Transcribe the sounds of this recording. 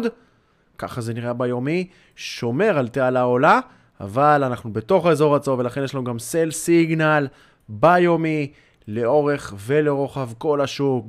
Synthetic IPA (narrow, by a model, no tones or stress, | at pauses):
d̪ | ka̰χaze̞niʁabajo̞mi | ʃo̞me̞ʁalt̪ealao̞la | a̰valanaχnube̞t̪o̞χezo̞ʁat͡so̞ve̞laχe̞njeʃlanuɡamselsiɡnal | bajo̞mi | leo̞ʁe̞χve̞leʁo̞χavko̞laʃuk